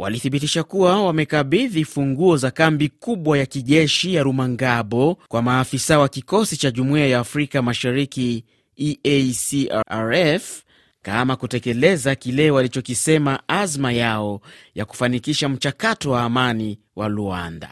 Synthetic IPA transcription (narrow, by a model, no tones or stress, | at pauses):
wa̰liθiɓitiʃakuwawamɛkaɓiðifuŋɡuɔzakambikuɓwajakiʄɛʃijaɾumaŋɡaɓɔkwamaːfisawakikɔsit͡ʃaʄumuiajaːfɾikamaʃaɾiki | iesiaɾɛf | kamakutɛkɛlɛzakilɛwalit͡ʃɔkisɛmaazmajaɔjaku̥fanikiʃam̩t͡ʃakatɔwaːmani | walua̰nda̰